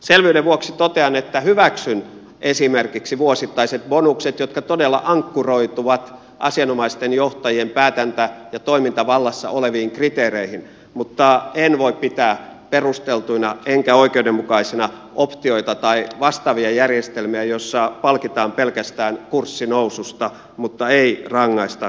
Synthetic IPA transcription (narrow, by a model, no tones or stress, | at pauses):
selʋyːdeʋuoksit̪ot̪eɑnet̪ːæhyʋæksyn | esimerkiksiʋuosit̪ːɑiset̪bonukset̪jot̪̚kɑt̪odelːɑ̰ʔɑŋkːuroit̪uʋɑt̪ | ʔɑ̰siɑnomɑist̪enjoht̪ɑjiempæːt̪ænt̪æjɑt̪oimint̪ɑʋɑlːɑsːɑ̰ʔoleʋiːŋkrit̪eːreihin | mut̪ːɑenʋoippit̪æːperust̪elt̪uinɑeŋkæoikeudemmukɑisinɑ | ʔopt̪ioit̪ɑt̪ɑiʋɑst̪ɑʋiɑjærjest̪elmiæjosːɑpɑlkit̪ɑːmpelkæst̪æːnkursːinousust̪ɑ | mut̪ːɑeirɑŋːɑist̪ɑ